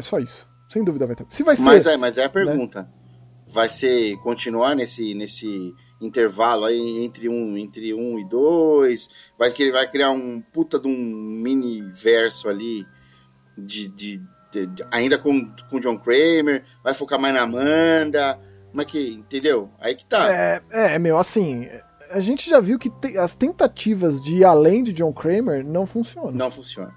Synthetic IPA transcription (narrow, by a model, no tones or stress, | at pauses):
ɛsɔisʊ̥ | sẽj̃d̪uvid̪ɐvajt̪esɪvajmazɛmɐzɛɐpeɾɡũt̪ɐ | vajsekõt͡ʃinuanesɪnesɪ | ĩnt̪eɾvalʊaiẽnt̪ɾɪũẽnt̪ɾɪũɪd̪ojsvajkvajkɾiaũmɐput̪ɐd̪ũminivɛɾsʊali | d͡ʒɪd͡ʒɪ | ɛaĩnd̪ɐkõkõd͡ʒõkɾejmeɾ | vajfokamajznɐmɐ̃nd̪ɐ | mɐkɪẽt̪ẽnd̪ewa̰ikɪ̥t̪aɛɛɛmejwasĩɛ | aʒẽnt͡ʃɪʒaviwkɪt̪eɐst̪ẽnt̪at͡ʃivɐzd͡ʒɪalẽj̃d͡ʒɪd͡ʒõw̃kɾejmeɾnɐ̃w̃fũsiõnɐñɐ̃w̃fũsiõ̰nɐ